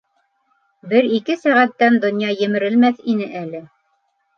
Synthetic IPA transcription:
bɘɾikɘsæʁæt̪ːænd̪ŏnjɑjɘ̆mɘ̆ɾɘ̆lmæθinɘʔælɘ

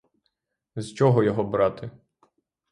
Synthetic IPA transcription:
zt͡ʃɔɦɔjɔɦɔbɾɑt̪ɪ

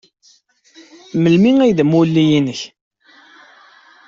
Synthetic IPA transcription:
məlmiŋæjðmulːijinəç

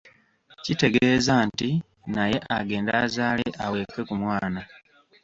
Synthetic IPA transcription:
cite̞ɡe̞ːzanti | naje̞ʔaɡe̞ːndaːzaːleʔawe̞kːe̞kumwaːna

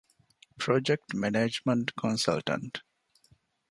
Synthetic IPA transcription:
pʰɾod͡ʒek̚ʈmɛned͡ʒmə̃ɳʈkʰɔ̃nsa̰lʈə̰̃ɳʈ

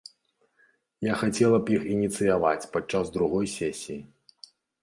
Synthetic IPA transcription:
jaxat͡sʲɛlˠɐpjixinʲit̪sɨjava̰t͡sʲpat͡ʂːazd̪ɾuɣɔjsʲɛsʲiji

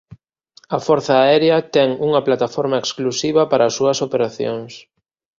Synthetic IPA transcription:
ɐfɔɾθɐːɛɾjɐt̪ɛŋuŋɐplat̪afɔɾmɐeksklusiβɐpaɾɐːsuɐsopeɾaθjo̰ŋs

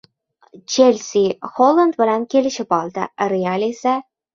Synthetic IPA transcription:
t͡ʃʰelsiholˠːand̪bɪlankʲʰe̞lɪʃɪbɒlˠd̪a̰ɾealesa

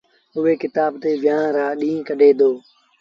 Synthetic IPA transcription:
ʊɦeːkɪt̪aːbt̪eːʋɪjãːɾaːɗĩːkəɗʱeːd̪oː

